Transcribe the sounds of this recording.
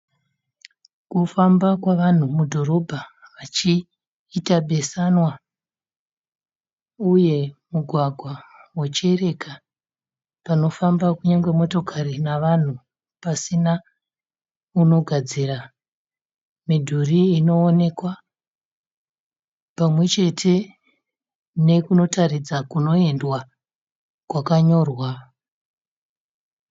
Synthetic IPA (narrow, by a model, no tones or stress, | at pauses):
kufambakwaʋan̤umudʱo̞ɾo̞bʱaʋat͡ʃiː | taɓʱe̞sanwa | uje̞muɡʱwaɡʱwawet͡ʃe̞re̞kʰa | pano̞fambakuɲaŋɡwemo̞to̞kʰarinaʋan̤u | pasina | uno̞ɡʱad͡zira | midʱuriːno̞ːne̞kwa | pamwe̞t͡ʃe̞tʰe̞ | ne̞kuno̞tʰarid͡zakuno̞e̞ndwa | kwakaɲo̞ːrwa